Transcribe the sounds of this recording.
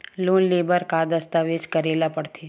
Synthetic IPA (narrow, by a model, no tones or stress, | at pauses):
lunlebəɾkad̪əst̪aʋed͡ʒkəɾelapəɽt̪ʰi